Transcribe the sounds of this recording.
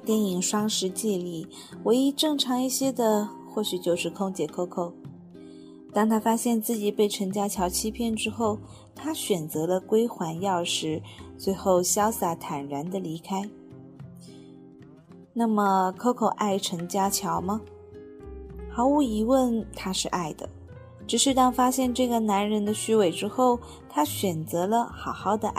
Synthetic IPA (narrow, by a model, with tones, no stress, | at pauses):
t̪jɛ˥˩ni˨˩ŋʂwɑ˥ŋʂɻ̩˧˥t͡ɕɛ˥˧li˥˩ | we˧˥ɪi˥ʈ͡ʂɤ˥˩ŋʈ͡ʂʰɑ˧˥ŋi˥˩ɕjɛ˥d̪ə˨ | xwɔ˥˩ɕy˨˩t͡ɕjo˥˧ʊʂɻ̩˥˧kʰʊ˥ŋt͡ɕjɛ˨˩kʰɤ˥kʰo˨˩ʊ | t̪a˥˩ŋt̪ʰa˥fa˥ɕjɛ˥˧nt͡sɹ̩˥˩t͡ɕi˨˩pe˥˩ɪʈ͡ʂʰə˧˥ŋt͡ɕja˥t͡ɕʰjɑ˧˥ʊt͡ɕʰi˥pʰjɛ˥˧nʈ͡ʂɻ̩˥xo˥˩ʊ | t̪ʰa˥ɕɥɛ˨˩nt͡sɤ˧˥lə˧kwe˥ɪxwa˧˥njɑ˥˩ʊʂɻ̩˧˥swe˧˥ɪxo˥˩ʊɕjɑ˥ʊsa˥˩t̪ʰa˨˩nɻa˧˥nd̪ə˧li˧˥kʰa˥ɪ | na˥˩mə˩kʰɤ˥kʰo˨˩ʊʔa˥˩ɪʈ͡ʂʰə˧˥ŋt͡ɕja˥t͡ɕʰjɑ˧˥ʊmɐ˧ | xɑ˧˥ʊu˧˥i˧˥wə˥˧nt̪ʰa˥ʂɻ̩˥˧ʔa˥˩ɪd̪ə̰˩ | ʈ͡ʂɻ̩˨˩ʂɻ̩˥˧t̪ɑ˥˧ŋfa˥ɕjɛ˥˧nʈ͡ʂɤ˥˩ɡə˩na˧˥nɻə˧˥nd̪ə˧ɕy˥we˧˩ɪʈ͡ʂɻ̩˥xo˥˩ʊ | t̪ʰa˥ɕɥɛ˨˩nt͡sɤ˧˥lə˧xɑ˨˩ʊxɑ˥˩ʊd̪ə˧ʔ